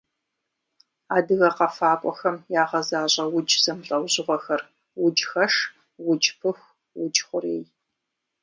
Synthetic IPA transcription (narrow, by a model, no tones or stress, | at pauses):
aːdɨɣɐqɐfaːpʷʼɔ̰xɐmjaːʁɐzaːʑʼɐwʊd͡ʒz̥ɐmɬʼɐwʑɪʁʷɔxɐr | wʊd͡ʒxɐʂ | wʊd͡ʒpʰɨxʷ | wʊd͡ʒχʷʊɾeːj